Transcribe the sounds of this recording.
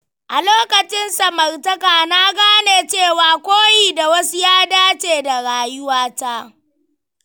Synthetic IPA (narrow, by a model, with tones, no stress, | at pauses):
ʔa˨loː˦kɐ˨t͡ʃɪ˦nsɐ˨mɐ˨rtɐ˦kaː˨na˦ɡaː˦neː˨t͡ʃeː˦˨waː˨kʷoː˦jiː˦˨da˨wɐ˦su˦jaː˦daː˦t͡ʃeː˨da˨ɽaː˨jʊ˦waː˦ta˦